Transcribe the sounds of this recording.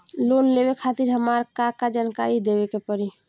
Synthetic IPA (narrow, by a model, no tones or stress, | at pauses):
lonlebekʰat̪iɾɦəmaɾkakad͡ʒankaɾid̪ebekepəɾi